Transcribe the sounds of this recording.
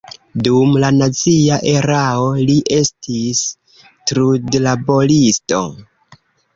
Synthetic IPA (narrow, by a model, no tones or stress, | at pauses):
dumlanat͡siaʔe̞ɾao̞liʔe̞stʰis | tɾudlabo̞listo̞̰